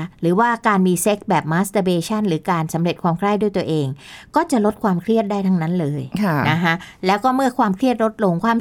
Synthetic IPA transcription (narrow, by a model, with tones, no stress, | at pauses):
ɾɯː˩˦waː˥˩kaː˧nmiː˧se˦˥k̚bɛː˨˩p̚maː˦˥st̪əː˧beː˧t͡ɕʰa˥˩nɾɯː˩˦kaː˧nsa˩˦mɾe˨˩t̪̚kʰwaː˧mkʰla˥˩jdu˥˩jt̪u˧˩əʔeː˧ŋkɔː˥˩t͡ɕa˨˩ʔlo˦˥t̪̚kʰwaː˧mkʰɾi˥˩ət̪̚daː˥˩jt̪ʰa˧˥ŋna˦˥nlɤː˧jʰna˦˥kʰa˦˥lɛː˦˥wkɔː˥˩mɯ˥˩ɐkʰwaː˧mkʰɾi˥˩ət̪̚ɾo˦˥t̪̚lo˧ŋkʰwaː˧˩m